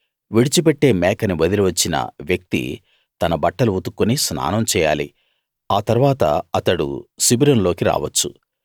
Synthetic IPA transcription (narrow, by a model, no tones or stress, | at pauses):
ʋiɽit͡ʃipɛʈːe̞ːmɛːkɐniʋɐd̪iluʋɐt͡ʃːinɐ̰ʋjɐk̚t̪ḭ | t̪ɐnɐbɐʈːɐluut̪ukːunisna̰ːnɐmt͡ʃɛːja̰ːlḭ | aːt̪ɐɾuʋaːt̪ɐ̰ɐt̪ɐɽṵsibiɾɐnlo̞ːkiɾa̰ːʋɐt͡ʃːu